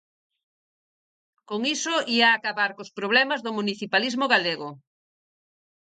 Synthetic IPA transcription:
koŋisʊiaːkaβaɾkospɾoβ̞lɛmɐzðʊmuniθipalizmoɣaleɣo

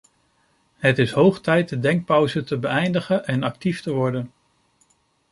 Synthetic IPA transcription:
ɦətɪsɦowχtɛjt̚dədɛŋk̚pɔwzətəbəɛjndəχənʔɛnɑk̚tiftəʋɔɹdən

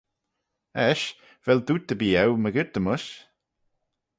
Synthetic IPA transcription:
ɛʃ | vɛld̪uːt̪̚əbiːɛwməɡɪɹd̪əmʊʃ

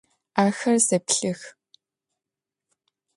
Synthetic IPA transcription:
aːxɐrzɐpɬɨx

